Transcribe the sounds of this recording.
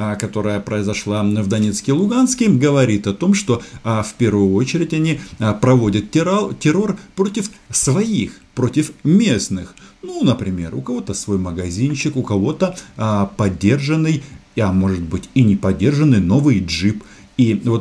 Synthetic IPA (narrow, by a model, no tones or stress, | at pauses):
kɐt̪o̞ɾəjəpɾəɪzɐʂlˠavd̪ɐnʲe̞t̪skʲɪlˠʊɡanskʲɪɡəvɐɾʲit̪ɐt̪o̞mʂt̪o̞fʲpʲe̞ɾvʊjʊot͡ɕɪɾʲɪtʲɐnʲipɾɐvodʲət̪ʲtʲɪɾo̞rpɾo̞tʲɪfsvɐixpɾo̞tʲɪfmʲe̞snɨxnunəpɾʲɪmʲe̞̰rʊkɐvo̞t̪əsvo̞jməɡɐzʲinɕɪkʊkɐvo̞t̪əpɐdʲːe̞rʐɨnːɨjɐmo̞ʐɨt̪̚bɨtʲinʲɪpɐdʲːe̞rʐɨnːɨjno̞vɨjʐɨp | ivo̞t̪